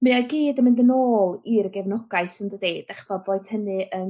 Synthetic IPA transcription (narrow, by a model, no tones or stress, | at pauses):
mɨaɡiːdəmɪndənoːlˠiɾəɡɛvnɔɡaɨsɪndədejd̥aχv̥ɔboːɨθhənɨʔən